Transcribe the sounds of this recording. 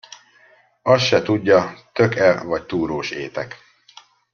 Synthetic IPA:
ɒsʃɛt̪uɟːɒt̪ø̞kɛlvɒc̚t̪uːɾoːʃeːt̪ɛk

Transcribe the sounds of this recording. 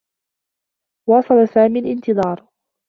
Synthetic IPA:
wɑːsˤɑlasaːmiːlʔɪnt̪ɨðˤɑːɾˤ

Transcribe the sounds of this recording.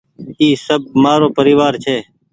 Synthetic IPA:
iːsəb̚maːɾoːpəɾiːʋaːɾt͡ʃʰeː

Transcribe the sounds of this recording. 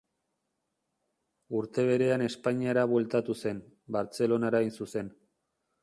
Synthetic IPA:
uɾt̪e̞β̞e̞ɾe̞ane̞spaɲiaɾaβwe̞lt̪at̪use̞n | baɾt͡se̞lo̞naɾainsuse̞n

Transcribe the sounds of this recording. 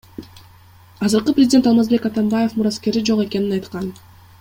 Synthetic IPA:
ɑzɯɾqɯprʲɪzʲdʲet̪ɑlˠmɑzbe̞kɑt̪ɑmbaje̞fmuɾaske̞ɾid͡ʒo̞qe̞ke̞ninɑjt̪qɑn

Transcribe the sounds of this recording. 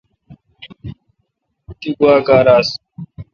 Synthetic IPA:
t̪iɡuwaːkaːɾaːs

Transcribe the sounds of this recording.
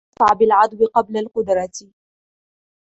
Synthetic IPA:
sˤɑʕbɪlʕɑd̪ˤwɪqɑblalqʊd̪ɾˤɑt̪

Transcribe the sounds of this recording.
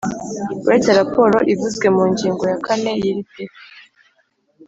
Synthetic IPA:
uɾet͡seɾapo̞ɾo̞ʔivuzɡwe̞muːɲɟiːŋɡo̞jakʰane̞jiɾitek

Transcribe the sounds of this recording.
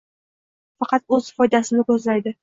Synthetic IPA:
fɑqɑt̪̚ɵzfɒjd̪asɪnɪkɵzlajd̪ɪ

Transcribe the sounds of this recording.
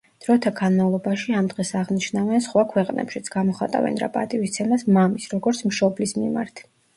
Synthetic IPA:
d̪̥ɾɔt̪ʰaɡanmavlˠɔbaʃiamd̪ʁɛsaʁniʃnavɛnsχwakʰwɛqʼnɛ̰pʃit̪sʰɡ̥amɔχat̪ʼa̰vɛ̰nɾa̰pʼa̰t̪ʼivist̪sʰɛnasmamisɾɔɡɔɾt̪sʰmʃɔblismḭma̰ɾt̪ʰ

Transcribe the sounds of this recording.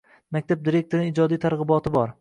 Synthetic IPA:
makʲt̪ʰap̚d̪iɾek̚ʲt̪oɾɪnɪɪd͡ʒɒd̪ijt̪ʰaɾʁɨbɒt̪ʰɪbɒɾ

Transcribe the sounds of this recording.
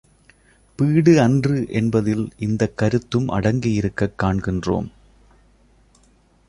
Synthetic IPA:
piːɽɯɐndrɯʔɛnbɐðɪlʔɪnd̪ɐkːɐɾɯt̪ːɯmʔɐ̰ɽɐŋɡɪjɪɾɯkːɐkːaːɳɡɪndro̰ːm

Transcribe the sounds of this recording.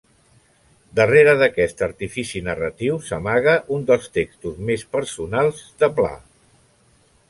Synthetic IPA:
d̪əreɾəðəkɛst̪əɾt̪ifisinərət̪iwsəmaɣəʔund̪əlˠst̪ekst̪uzmespəɾsunalˠzðəpla̰

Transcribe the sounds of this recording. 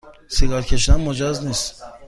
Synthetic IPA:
siɡalkʰeʃd̪anmod͡ʒaznist̪

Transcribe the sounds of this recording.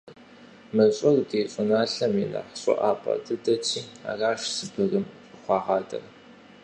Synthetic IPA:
mɨɕʼʊrdeːɕʼʊnaːɬɐminɐ̰ħɕʼɔ̰ʔaːpʰʼɐ̰tʰɨdɐt͡ʃʰʼiːa̰ːraːʃsɨbɨrɨmɕʼɨχʷɑːʁɑːdɐ̰r

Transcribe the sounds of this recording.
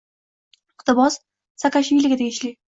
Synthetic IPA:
ɪqt̪ɪbɒs | sakaʃɪlɪɡʲɪt̪ʰeɡʲɪʃli

